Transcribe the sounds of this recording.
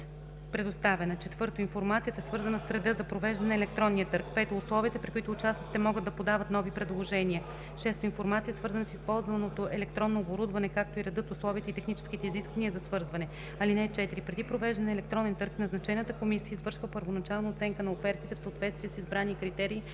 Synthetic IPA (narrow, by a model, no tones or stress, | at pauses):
pɾɛd̪ost̪avɛnət͡ʃɛt̪vɤɾt̪oinfoɾmat̪siət̪əɛsvɤɾzɐnəsːɾɛd̪ɤzɐpɾovɛʒd̪ɐnɛnɛlɛk̚t̪ɾɔnːiət̪ɤɾk̚pɛt̪oʊslˠɔvit̪ɛpɾikʊit̪ʊːt͡ʃasnit̪it̪ɛmɔɡəd̪d̪ːɐpod̪avət̪nɔvipɾɛd̪lˠoʒɛniə | ʃɛst̪oinfoɾmat̪siəsvɤɾzɐnəsispɔlˠzvɐnot̪oʔɛlɛkt̪ɾɔnːoːboɾud̪vɐnɛkak̚t̪oiɾɛd̪ɤt̪ʊslˠɔviːt̪əit̪ɛxnit͡ʃɛ̥sk̟it̪ɛiziskvɐniəzɐsvɤɾzvɐnɛ | ɐlinɛt͡ʃɛt̪iɾipɾɛd̪ipɾovɛʒd̪ɐnɛlɛk̚t̪ɾɔnɛnt̪ɤɾknɐznɐt͡ʃɛnət̪əkomisiəizvɤɾʃvəpəɾvonɐt͡ʃalˠnəot̪sɛŋkənɐofɛɾt̪it̪ɛfsəot̪vɛt̪st̪viɛsizbɾanikɾit̪ɛɾiː